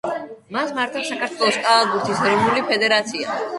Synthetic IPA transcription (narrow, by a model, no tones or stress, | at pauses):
masmaɾt̪ʰapsakʰaɾt̪ʰwɛlˠɔskʼalˠaɡuɾt̪ʰisɾimulipʰɛd̪ɛɾat̪sʰia̰